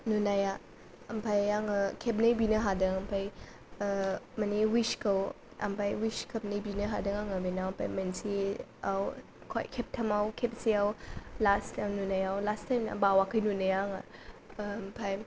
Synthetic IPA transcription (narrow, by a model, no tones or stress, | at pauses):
nunaja | ɐmpʰajaŋəkʰep̚nɐjbinɐɦadɯŋɐmpʰaj | maniwiʃkʰəw | a̰mpʰajwiskʰɐp̚nɐjbinɐɦadɯŋaŋabinawmpʰa̰jmensiaw | kʰo̰jkʰep̚tʰɐmawkʰep̚siawlastʰjmnunajawlastʰajmna̰bawakʰɯjnunajaŋa | mpʰaj